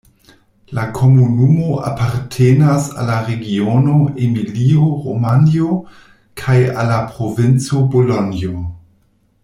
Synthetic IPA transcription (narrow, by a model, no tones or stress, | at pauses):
lakʰo̞munumoʔa̰paɾtʰenasa̰laɾeɡionoʔemilioɾomanio | kʰaja̰lapɾovint͡sobolonjo